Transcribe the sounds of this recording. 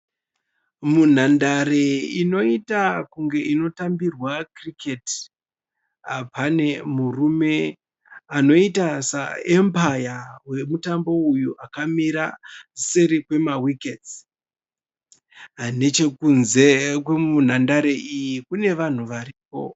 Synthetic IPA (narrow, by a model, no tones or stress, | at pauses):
mun̤andaɾeino̞itakuŋɡe̞ʔino̞tambirwakriket | pane̞murume̞ | ano̞itasa̰empajawe̞mutambo̞ujuʔakamiɾa̰seɾikwe̞mawikes | ne̞t͡ʃe̞kunze̞kwemun̤andaɾe̞ʔijikune̞ʋan̤uʋaɾiːpo̞̰